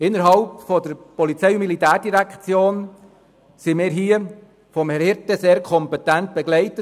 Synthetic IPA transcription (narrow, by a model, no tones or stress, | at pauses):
ɪnːəɾɦɑlpfɔdəɾpɔlit͡sɛjumilitæːɾdiɾækt͡sjoːn | simɪːɾɦiːə | fɔmhɛɾhɪɾtɛseːɾkʰɔmpɛtænt̚b̥ɛɡlɛɪtə